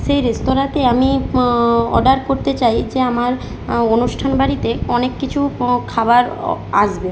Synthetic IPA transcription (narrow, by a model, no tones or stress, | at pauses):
ʃejɾest̪oɾat̪eami | ɔ̰ɖaɾkoɾt̪et͡ɕajd͡ʑeamaɾ | onuʃʈʰanbaɾit̪eɔnekːit͡ɕʰukʰabaɾa̰ʃbe